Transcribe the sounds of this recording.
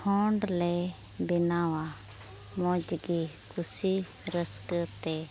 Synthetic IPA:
kʰõːɳɖleː | bɪnaːʋa | mõːd͡ʒɡi | kʊsi | ɾəskt̪eː

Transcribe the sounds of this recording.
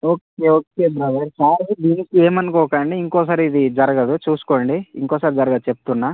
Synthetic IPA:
o̞ːkeoːkeːbɾɐd̪ɐɾsaːɾsid̪iːnikie̞ːmɐnkɔːkɐɳɖiiŋkɔːs̬aːɾiid̪id͡ʒɐɾɐɡɐd̪ut͡ʃuːsu̥koːɳɖiḭŋkɔːsaːɾid͡ʒɐɾɐɡɐd̪ut͡ʃe̞p̚t̪unːaː

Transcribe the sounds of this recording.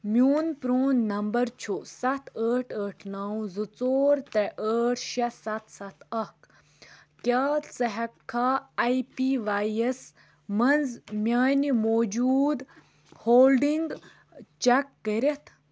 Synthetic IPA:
mʲjoːnpɾoːnːɐmbɐɾt͡ʃʰosɐt̪ʰəːʈʰəːʈʰnaːw̃zɨt͡soːɾt̪ɛʔəːʈʰʃɐsɐt̪ʰsɐt̪ʰɐk | kʲaːt͡sɐɦɛkʰːaaipiʋaːjes | mɐnzmjaːnimoːd͡ʒuːd̪ | hoːlɖiŋɡ | t͡ʃɛkːəɾʲet̪ʰ

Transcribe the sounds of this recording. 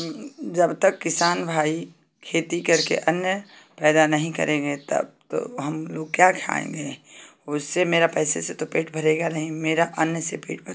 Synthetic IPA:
d͡ʒɐbt̪ɐkːɪsaːnbʱaːi | kʰeːt̪ikɐɾkḛʔɐnjə | pɛːd̪anɐɦĩkɐ̰ɾʔẽːɡet̪ɐ̰b̚t̪o̰ɦɐmloːɡ̚kjaːkʰa̰ːḛ̃ŋɡeʊsːemeːɾapɛːseset̪opeːʈbʱɐɾeːɡanɐɦĩmeːɾaʔɐnjəsepḛːʈbʱɐ

